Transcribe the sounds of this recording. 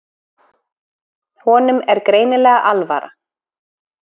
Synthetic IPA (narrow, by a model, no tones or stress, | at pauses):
hɔːnʏmɛɾkɾeːjnɪlɛːɣaʔalva̰ːɾa̰